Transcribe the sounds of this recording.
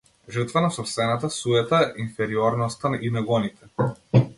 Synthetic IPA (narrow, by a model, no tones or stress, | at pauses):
ʒəɾt̪vanasɔpst̪vɛnat̪asujɛt̪ainfɛɾiɔɾnɔst̪anʔinɛɡɔnit̪ɛ